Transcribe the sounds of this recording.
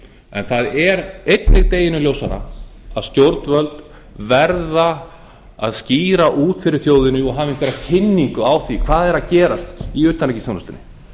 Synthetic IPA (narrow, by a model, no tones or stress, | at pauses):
ɛnθaðɛɾejt̪lɪɣt̪eːjɪnʏljowsaɾa̰aðst̪jowɾt̪nvœlt̪ | vɛɾða | a̰ðsciːɾaʔuːt̪fɪɾɪɾ̥θjoːwðɪnʏɔɣɦaːvɪɪŋkvɛɾacʰɪnːiŋkʏawθikʰv̥aːðɛɾaðcɛːɾast̪iʏːt̪ːanlejcɪ̥sθjownast̪ɪnːɪ